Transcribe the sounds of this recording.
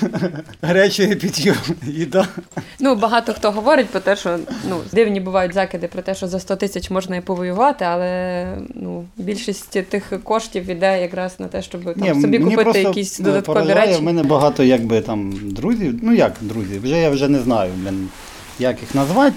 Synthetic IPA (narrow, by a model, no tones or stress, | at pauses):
ɦɾɛt͡ʃɪjɛpʲid̪ʲjɔmid̪ɑnubɐɦɑt̪ɔxt̪ɔɦɔʋɔɾɪt̚ʲpɾɔt̪ɛʃɔnud̪ɪwnʲibʊʋɑjʊtʲzɑkɪd̪ɪpɾɔt̪ɛʃɔzɐst̪ɔt̪ɪsʲɐt͡ʃmɔʒnɐipɔʋɔjʊʋɑt̪ɪɐlˠɛnubʲilʲʃisʲtʲt̪ɪxkɔʃtʲiwid̪ɛjɐkɾɑznɐt̪ɛʃt͡ʃɔbtnʲɛmsɔbʲikʊnipɪtɾɔsɪjɐkʲisʲd̪ɔd̪ɐt̪pɔɾɔɐʒʲiɾɾaɛjɛwmɛnɛbɐɦɑt̪ɔjɐɡ̚bɪt̪ɑmd̪ɾuzʲiwnujɐkd̪ɾuzʲiwʒɛjawʒɛnɛznɑjʊmʲin | jakɪxnɐzʋɑtʲ